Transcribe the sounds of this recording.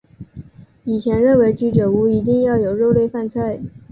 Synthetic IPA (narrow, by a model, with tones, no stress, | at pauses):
i˨˩t͡ɕʰjɛ˧˥nɻə˥˩nwe˧˥ɪt͡ɕy˧˥ʈ͡ʂɤ˨˩u˧˥i˧˥t̪̬i˥˧ŋjɑ˥˩ʊjo˨˩ʊɻo˥˧ʊle˥˧ɪfa˥˧nt͡sʰa˥˩ɪ